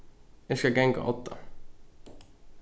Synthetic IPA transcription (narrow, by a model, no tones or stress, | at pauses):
jɛskaɡɛŋka̰ʔɔt̪ːa̰